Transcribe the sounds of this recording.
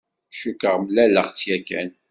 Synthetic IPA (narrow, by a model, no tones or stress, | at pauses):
ʃukəʁmlælːəʁt͡sːjækæ̰n